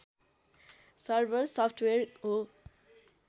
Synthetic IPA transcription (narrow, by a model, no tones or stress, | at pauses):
sʌɾbəɾsɔpʰʈʰweɾo